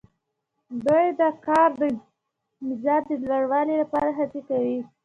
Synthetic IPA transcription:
d̪ujd̪əkɑɾd̪ə | mɪzɑd͡ʒd̪əlwaɽwɑlilapɑɾaɦat͡sikawi

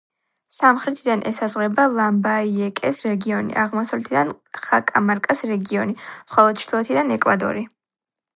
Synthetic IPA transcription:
samχɾɛt̪ʰid̪anʔɛ̰sazʁwɾɛbalˠambaiɛkʼɛsɾɛɡiɔnḭʔaʁmɔsavlɛt̪ʰid̪an | χakʼamaɾkʼasɾɛɡiɔnimχɔlˠɔd̪̥̚t͡ʃʰt̪ʰlˠɔɛt̪ʰid̪anɛkʼwad̪ɔ̰ɾi

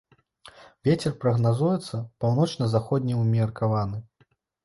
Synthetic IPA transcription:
vʲet͡sʲɛrpɾɐɣnazujɛt̪sːɐpawnɔt͡ʂnɐzaxɔd̪ʲnʲiumʲɐrkavanɨ

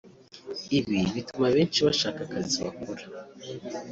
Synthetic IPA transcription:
iβiβitumaβe̞ːnt͡ʃiβaʃaːkakaziβa̰koɾa

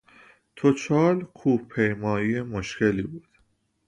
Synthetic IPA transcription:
t̪ʰot͡ʃʰɒːɾkʰuːpʰejmɒːiːemoʃkʰe̞liːbuːd̪̥

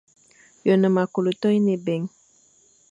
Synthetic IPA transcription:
jonəmakulut̪ojnebeŋ

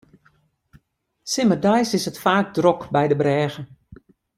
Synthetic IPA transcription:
sɪmərdajsɪsətfaːk̚drɔkbɛjdəbrɛːɣə

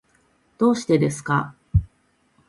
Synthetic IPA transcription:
d̪̥o̞ːɕi̥t̪e̞d̪e̞sɨ̥ka

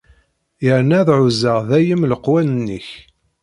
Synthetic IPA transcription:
jəɾnæðʕʊzaʁðæjəmləqwænənːə̰ç

